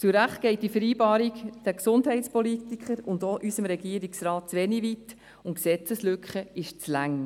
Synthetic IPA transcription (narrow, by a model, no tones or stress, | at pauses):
t͡suɾæχt̚ɡ̥ɛɪt̚d̥ifəɾiːbɑːɾikd̥ɛksʊndɦɛɪtt͡spɔlit̪ikχəɾʊndoʔysəmɾɛɡiːəɾiksɾɑːt̚t͡sʋɛniʋit | ʊntksɛt͡səslʏkχəɪʃt͡slæŋ